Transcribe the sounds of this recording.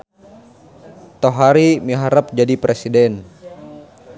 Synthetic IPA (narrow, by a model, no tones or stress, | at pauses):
t̪oɦaɾimiɦaɾəp̚d͡ʒadipɾesidɛn